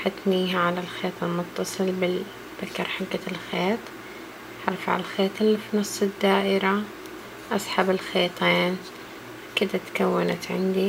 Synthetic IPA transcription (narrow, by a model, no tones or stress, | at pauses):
ħat̪niːɦaʕalalxeːt̪ˤɪlmʊt̪ːɑsˤɨlbɪ | bakːɑɾˤħalkalxeːt̪ˤ | ħɑ̰ɾˤfʕa̰lxeːt̪ˤɪlːifinɑsˤːɪd̪ːaːʔɪɾa | ʔɑsˤħabɪlxeːt̪ˤeːn | kɪd̪at̪kawːana̰t̪ʕɪ̰nd̪i